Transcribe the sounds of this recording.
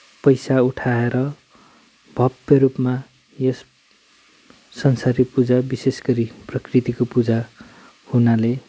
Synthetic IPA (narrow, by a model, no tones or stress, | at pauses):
pʌjsauʈʰaeɾʌ | bʱʌbʌɾupma | jʌs | ʌnsaɾipud͡zabisesɡʌɾiprʌkrit̪ikopud͡za | hunale